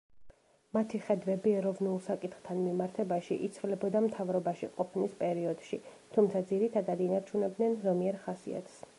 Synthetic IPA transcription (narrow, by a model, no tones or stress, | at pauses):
mat̪ʰiχɛd̪vɛbiɛɾɔvnulˠsakʼit̪χt̪ʰanmimaɾt̪ʰɛbaʃiʔit̪sʰvilɛbɔd̪amt̪ʰavɾɔbaʃiqʼɔpʰnispʼɛɾiɔd̪̥ʃi | t̪ʰumt̪sʰad̪ziɾit̪ʰad̪ad̪inaɾt͡ʃʰunɛb̚d̪nɛnzɔmiɛɾχasḭa̰t̪ʰs